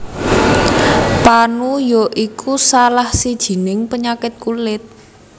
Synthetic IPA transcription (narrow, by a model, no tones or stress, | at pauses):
panujoʔikʰusalahsid̥ʒ̥i̤nɪŋpəɲakɪt̪̚kulɪt̪̚